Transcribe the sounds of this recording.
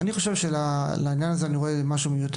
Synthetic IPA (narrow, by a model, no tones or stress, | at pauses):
aniχoʃevʃela | lainjanazeaniʁoemaʃumejut̪